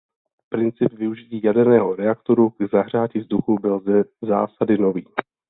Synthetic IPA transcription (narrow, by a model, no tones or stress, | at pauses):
pɾɪnt͡sɪpvɪuʒɪciːjadɛɾnɛːɦo̞ɾɛakt̪o̞ɾuɡzaɦr̝aːcɪvzduxubɪlzza̰ːsadɪno̞viː